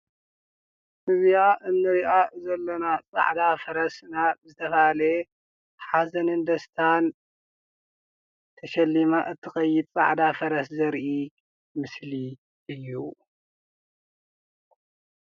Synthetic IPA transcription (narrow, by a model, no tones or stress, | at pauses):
sɨβjaʔɨnːɨɾiʔazɐlːɐnat͡sʼa̰ʕd̪afɐɾɐsnabzɨt̪ʰɐfale | ħazɐnɨnd̪ɐst̪ʰan | t̪ʰɐʃɐlːimaʔɨt̪ʰːɨxɐjːɪd̪̚t͡sʼa̰ʕd̪afɐɾɐszɐɾʔi | mɨsli | ʔɨjːu